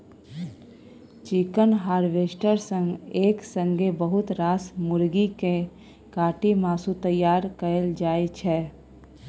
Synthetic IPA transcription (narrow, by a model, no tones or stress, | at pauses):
t͡ʃikənɦaːɾʋeːʃʈəɾsə̃ŋɡeːksə̃ŋɡʱebəɦʊt̪ɾaːsmʊɾɡike | kaːʈimaːsut̪əjːaːɾkəəld͡ʒaːet͡ʃʰɛː